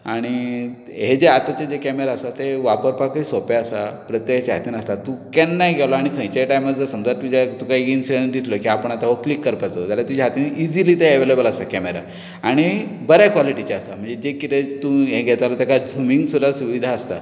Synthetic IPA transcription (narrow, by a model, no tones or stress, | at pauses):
aɽ̃i | ɦed͡ʑeat̪at͡ɕad͡ʑekɛmeɾaəst̪at̪eʋapəɾpakisopeəsapɾət̪jəkt͡ɕaɦa̰t̪iːnəst̪at̪ũkɛnːajɡʱɛʋlaaɽ̃ikʰə̃jt͡ɕajʈajməd͡zd͡zəsəmd͡zaɾt̪ud͡ʑat̪ukaiinsiɽeɳʈd̪it̪ʰlokĩapəɳ̃at̪aʋoklikːəɾpajt͡so̰t̪jaljat̪ud͡ʑaɦat̪iːnid͡ʑilit̪əeəʋelebəlast̪akɛmeɾa̰ | aɽ̃ibəɾjakʋaliʈit͡ɕaəst̪am̤ə̃ɳd͡zed͡ʑekit̪et̪ũɦẽɡʱɛt̪alat̪akad͡zumiŋɡsud̪asuʋid̪ʱaəst̪a̰